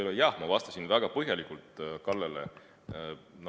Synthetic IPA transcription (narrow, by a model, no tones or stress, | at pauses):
lojɑhmɑvɑst̪ɑsinvæɡ̥ɑpɤɦjɑlikːˑult̪ˑkɑlːelḛ | no